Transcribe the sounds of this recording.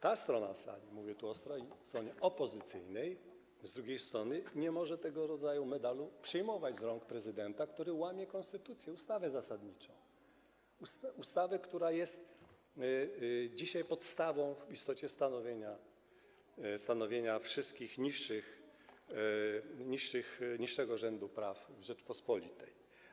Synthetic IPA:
t̪ast̪ɾɔna̰sa̰lʲimuvʲɛt̪uɔst̪ɾɔifst̪ɾɔɲɛʔɔpɔzɘt̪sɘ̰jnɛj | zd̪ɾuɡʲejst̪ɾɔnɘɲɛmɔʐɛt̪ɛɡɔɾɔd̪zajumɛd̪alupʂɛjmɔvad͡ʑzɾɔŋkpɾɛzɘd̪ɛnt̪akt̪uɾɘwamʲjɛkɔnst̪ɘt̪ut̪sʲjɛust̪avɛzasad̪ɲit͡ʂɔ̃w̃ | usust̪avɛkt̪uɾajɛst̪ | d͡ʑiɕajpɔt̪st̪avɔ̃w̃ist̪ɔt͡ɕɛst̪anɔvʲjeɲa | st̪anɔvʲjeɲafʂɘst̪̚kʲixɲiʂɘx | ɲiʂːɘxɲiʂːɛɡɔʐɛnd̪upɾafvʐɛt͡ʂpɔspɔlʲḭt̪ɛj

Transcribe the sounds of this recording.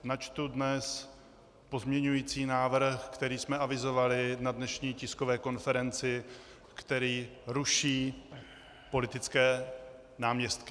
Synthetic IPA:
nat͡ʃt̪udnɛs | po̞zmɲɛɲujiːt͡siːnaːvr̩xkt̪ɛɾiːsmɛʔavɪzo̞valɪnadnɛʃɲiːcɪskovɛːko̞nfɛɾɛnt͡sɪ | kt̪ɛɾiːɾuʃiː | po̞lɪt̪ɪt͡skɛː | naːmɲɛst̪kɪ

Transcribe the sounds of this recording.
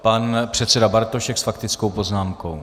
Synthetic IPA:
panpr̝̥ɛt̪sɛdabaɾt̪oʃɛksfakt̪ɪt͡skowpo̞znaːmko̞w

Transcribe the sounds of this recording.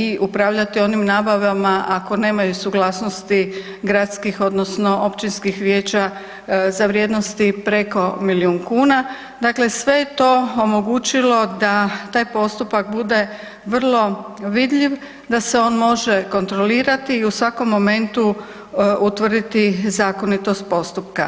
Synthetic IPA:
iʔupɾaːʋʎat̪io̞nimnaːbaʋamaʔako̞ne̞ːmajusuɡlaːsnost̪i | ɡɾat̪skixo̞d̪nosno̞ʔo̞pt͡ʃinskixʋjeːt͡ɕa | zaʋɾje̞d̪no̞st̪ipɾe̞ko̞miliuːnkuːna | d̪aːkle̞sʋe̞jet̪o̞omo̞ɡuːt͡ʃilo̞d̪at̪aːjpo̞st̪upak̚bud̪e̞ | ʋr̩lˠo̞ʋid̪ʎiʋ | d̪ase̞o̞ːnmo̞ʒe̞ko̞nt̪ɾoliːɾat̪iːusʋako̞mːo̞me̞nt̪u | ut̪ʋr̩d̪it̪izaːko̞nit̪o̞st̪̚po̞st̪upka

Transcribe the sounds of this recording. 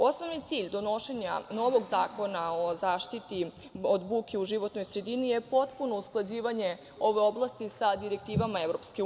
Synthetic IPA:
o̞sno̞ʋnit̪siːʎd̪o̞no̞ʃe̞ɲa̰no̞ʋo̞ɡzaːko̞nao̞zaːʃt̪it̪i | od̪buːkeuʒiʋo̞t̪no̞jsɾe̞d̪inije̞po̞t̪puno̞usklˠad͡ʑiːʋaɲe̞ | o̞ʋe̞o̞blˠast̪isad̪iɾek̚t̪iːʋamaevɾo̞pske

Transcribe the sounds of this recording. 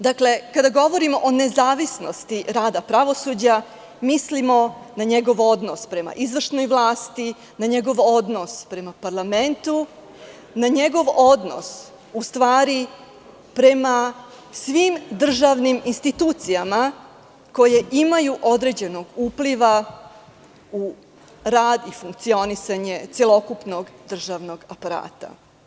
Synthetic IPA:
d̪akle̞kad̪aɡo̞ʋo̞ɾimo̞ʔone̞zaːʋisno̞st̪iɾaːd̪apɾaʋo̞sud͡ʑa | mislimo̞naɲe̞ɡo̞ʋo̞d̪no̞spɾe̞ma̰ʔizʋr̩ʃno̞jʋlˠaːst̪i | naɲe̞ɡo̞ʋo̞d̪no̞spɾe̞mapaɾlˠament̪u | naɲe̞ɡo̞ʋo̞d̪no̰s | ust̪ʋaːɾi | pɾe̞ma | sʋimd̪r̩ʒaʋniminst̪it̪uːt̪sijama | ko̞je̞ʔimajuʔo̞d̪ɾe̞d͡ʑe̞no̞ɡupliʋa | u | ɾaːd̪ifuŋk̚t̪sio̞nisaɲe̞t̪sjelˠo̞kupno̞ɡd̪r̩ʒaʋno̞ɡapaɾa̰ːt̪a̰

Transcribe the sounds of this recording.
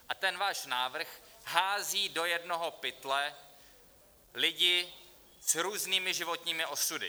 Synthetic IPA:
ʔat̪ɛnvaːʃnaːvr̩xɦaːziːdo̞jɛdno̞ɦo̞pɪt̪lɛ | lɪɟɪ | z̥ɾuːzniːmɪʒɪvo̞t̪ɲiːmɪʔo̞sudɪ̰

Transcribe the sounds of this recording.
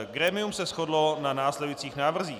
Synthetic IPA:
ɡɾɛːmɪumsɛsxodlonanaːslɛdujit͡siːxnaːvr̩ziː

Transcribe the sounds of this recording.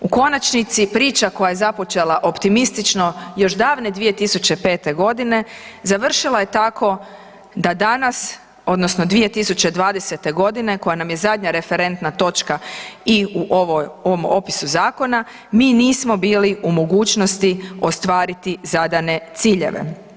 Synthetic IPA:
uko̞nat͡ʃnit̪sipɾiːt͡ʃako̞jaje̞zapo̞t͡ʃe̞lˠaʔo̞pt̪imist̪it͡ʃno̞jo̞ʃd̪aːʋne̞d̪ʋije̞t̪isut͡ɕe̞pe̞ːt̪e̞ɡo̞d̪ine̞zaʋr̩ʃilˠaje̞t̪akʰo̞ | d̪ad̪anas | o̞d̪no̞sno̞d̪ʋije̞t̪isut͡ɕe̞d̪ʋaːd̪ese̞t̪e̞ɡo̞d̪ine̞ko̞janamje̞zad̪ɲaɾe̞fe̞ɾe̞nt̪nat̪o̞t͡ʃkaiuʔoʋojoʋomo̞̰pi̥suzaːko̞na | miːniːsmo̞biːliumo̞ɡuːt͡ʃno̞st̪io̞st̪ʋaːɾit̪izad̪ane̞t̪siːʎe̞̰ʋḛ

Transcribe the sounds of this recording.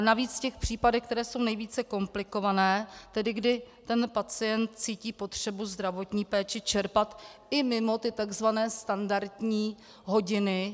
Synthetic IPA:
naviːt͡scɛxpr̥iːpadɛxk̚t̪ɛɾɛːso̞wnɛjviːt͡sɛko̞mplɪko̞vanɛːt̪ɛdɪɡdɪt̪ɛnpat͡sɪjɛnt̪̚t͡siːciːpo̞t̪r̥ɛbuzd̪ɾavo̞t̪ɲiːpɛːt͡ʃɪt͡ʃɛɾpat̪ʔɪmɪmo̞t̪ɪt̪aɡzvanɛːst̪andaɾt̪ɲiː | ɦo̞ɟɪnɪ

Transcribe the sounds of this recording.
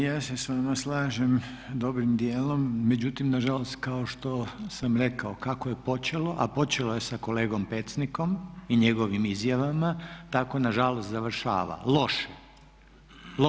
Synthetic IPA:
jaːsesʋamaslˠaːʒem | d̪o̞bɾimd̪jeːlo̞mːe̞d͡ʑut̪imnaʒalost̪kaoʃt̪o̞samɾe̞kaokakoje̞po̞t͡ɕe̞lo̞ʔa̰po̞t͡ɕe̞loje̞sako̞le̞ːɡo̞mpet̪sniko̞miɲe̞ɡo̞ʋimizjaʋamat̪ako̞naʒalost̪zaʋr̩ʃa̰ːʋa̰lo̞ʃe

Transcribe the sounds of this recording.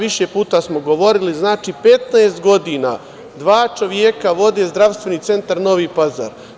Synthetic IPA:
ʋiʃepuːt̪asmoɡo̞ʋo̞ɾiliznaːt͡ʃipe̞t̪naest̪ɡo̞d̪ina̰ː | d̪ʋaːt͡ʃo̞ʋjekaʋo̞d̪e̞zd̪ɾaʋst̪ʋe̞niːt̪se̞nt̪aɾno̞ʋiːpaza̰ːɾ

